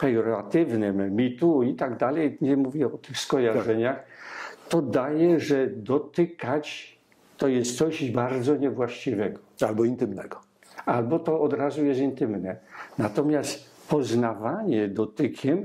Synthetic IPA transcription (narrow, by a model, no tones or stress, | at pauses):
pɛjɔɾɔat̪ɪvnɪmmʲit̪uit̪aɡd̪alɛjɲɛmuvʲjɛɔt̪ɘxskɔjaʐʐɛɲaxt̪ɔd̪ajɛʐɛd̪ɔt̪ɪkat͡ɕ | t̪ɔjɛst̪sɔʑbaɾd̪zɔɲɛvwaɕt͡ɕivɛɡɔalbɔint̪ɘmnɛ̰ɡɔ | albɔt̪ɔɔd̪ɾazujɛst̪int̪ɘmnɛnat̪ɔmʲjast̪ | pɔznavaɲɛd̪ɔt̪ɘkʲʰɛm